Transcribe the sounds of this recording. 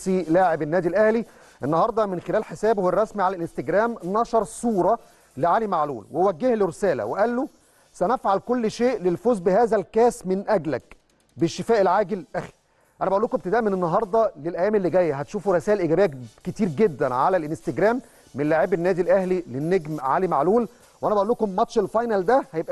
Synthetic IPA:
ilaːʕebenːæːd̪ilʔæhli | ʔenːɑɦɑɾˤd̪ˤɑmenxelæːlħesæːbhowɑrˤːɑsmiʕalælʔenst̪eɡɾæːmnɑʃɑɾˤsˤuːɾˤɑ | leʕaːlimaʕlṵːlwewæɡːehleɾesæːlæ̰weʔælːo | sænæfʕalkolːʃeːʔlelfoːzbɪhæːzælkæːsmenʔæɡlæk | beʃːefæːʔelʕaːɡelʔæxi̥ | ʔænæbæʔolːoːkomb̚t̪ed̪æːʔmenenːɑɦɑɾˤd̪ˤɑlelʔæjːæːmelːiɡæjːæɦæt̪ʃuːfuɾesæːʔelʔeɡæbejːæket̪iːɾɡed̪ːænʕalælʔenst̪eɡɾæːmː | enlaʕeːbenːæːd̪ilʔæhlilenːeɡmʕa̰ːlimaʕluːl | wʔænæbæʔolːuːkomːɑt̪ʃelfɑjnæld̪æhæjebʔæ

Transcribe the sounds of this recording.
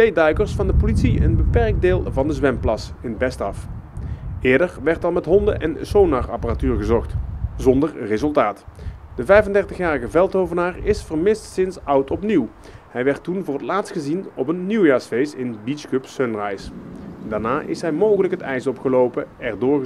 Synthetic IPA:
tejdœɥkəɹsfɑndəpolitsiə̰nbəpɛrɡ̚dɪːlˠvɑndəzʋɛmplɑsɪnbɛstɑf | ɪːɹdəɹʋɛɹtɑlˠmɛtɦɔndəʔɛnsownarɑparatyːɹɣəzɔχtzɔndərrɪzɵlˠtaːtd̥əvɛjvəndɛɹtəxjaːrəɣəvɛlˠtowvənaːɹɪsfərmɪstsɪnsʌwtɔpniw | hɛjʋɛɹtunvʊːrɦətlaːtstxəzinɔpənːiwjaːɹsfejsɪnbiskøpsønrajsdaːɹnaːʔɪ̰sɦɛjmowχələkɦətɛjsɔpxəlowpəɛɹdʊːɹ

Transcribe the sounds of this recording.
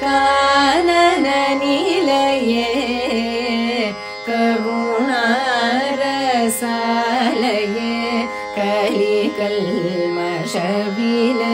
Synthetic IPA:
kaːnɐnɐnilɐje | kɐɾuna | ɾɐsalɐje | kɐlikɐlmɐ | ʂɐbilɐ

